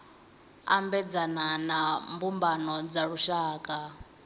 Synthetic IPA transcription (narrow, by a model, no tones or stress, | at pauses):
a̰mbɛd͡zananambumbanɔd͡zaɺuʃaːkʼa